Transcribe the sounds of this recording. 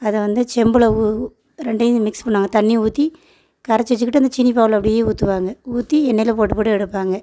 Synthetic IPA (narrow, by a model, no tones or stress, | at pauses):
ɐðɐʋɐnd̪ɯt͡ʃɛmbɯɭɐu | ɾɛɳɖɐjmɪkspɐɳːɯaːŋɡɐt̪ɐnːiuːt̪ːi | kɐɾɐt͡ʃːɐt͡ʃːɯkːɪʈːɯɐnd̪ɐt͡ʃɪnːipaːʋɯlɐpːɐɽɪjeːuːt̪ːɯʋaːŋɡɐuːt̪ːiɛnːɐjɪlɐpoːʈːɯpoːɽɯɛɽɯpːaːŋɡɐ